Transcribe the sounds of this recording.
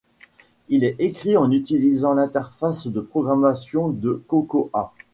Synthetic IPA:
ilɛekχiɑ̃nyt̪ilizɑ̃lɛ̃t̪ɛʁfasd̪əpχɔɡʁamasjɔ̃d̪əkokoʔa

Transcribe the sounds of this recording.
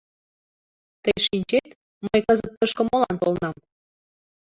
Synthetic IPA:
t̪əjʃinʲt͡ɕet̪ | məjkɤzə̆t̪̚pəʃkə̆molɑ̰nt̪olnɑm

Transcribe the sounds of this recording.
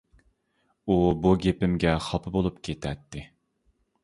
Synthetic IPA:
ubuɡʲepɪmɡʲɛχɑpʰɨbolˠupkʲʰet̪ʰɛt̪ʰːɪ

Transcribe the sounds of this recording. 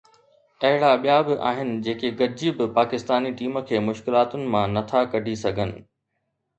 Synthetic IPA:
ɐɦɪɽaɓijabɪʔa̰ːɦɪnɪ̆d͡ʑeːkeɡɐɾd͡ʑibɪpaːkɪst̪aːniʈiːmə̆kʰeːmʊʃkɪlaːt̪ʊnɪ̆mãnɐt̪ʰakɐɖʱisɐɡʱənɪ̰̆

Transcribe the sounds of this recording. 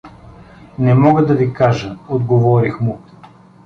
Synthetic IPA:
nɛmɔɡəd̪ɐvikaʒəod̪ɡovɔɾixmʊ

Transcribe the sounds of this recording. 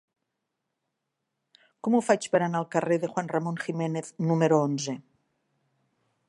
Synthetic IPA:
kɔmufat͡ʃpəɾanalˠkəreðəxwanrəmonximeneθnumeɾoonze

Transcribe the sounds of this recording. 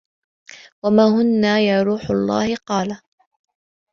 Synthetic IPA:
wamaːɦʊnːaːjaːɾuːħʊlˤːɑ̰ːhɪqɑːla

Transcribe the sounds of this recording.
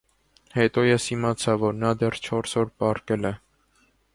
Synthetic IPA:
hɛt̪ɔjɛshimɑt͡sʰɑvɔɾnɑd̪ɛrt͡ʃʰɔɾsɔɾpɑrkɛlɛ

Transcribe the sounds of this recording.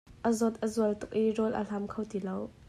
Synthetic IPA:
ʔəzɔt̪̚ʔəzuəlt̪ʊk̚ʔirɔlʔə̰l̥ɐmkʰowt̪ilow

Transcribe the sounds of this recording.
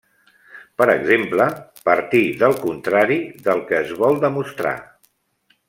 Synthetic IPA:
pəɾə̰ɡzempləpəɾt̪iðəlˠkunt̪ɾaɾiðəlˠkəːzβɔlˠd̪əmust̪ɾa̰

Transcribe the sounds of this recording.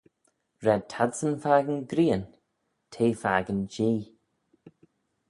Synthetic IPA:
ɹɛd̚tʰadsənfaːɡənɡɾiːən | tʰeːfaːɡənd͡ʒiː

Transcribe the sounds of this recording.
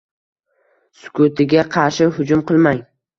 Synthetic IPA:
sʊ̥kʰot̪ʰɪɡʲaqʰɑɾʃɪhʊd͡ʒʊmqʰɨlˠmaŋ

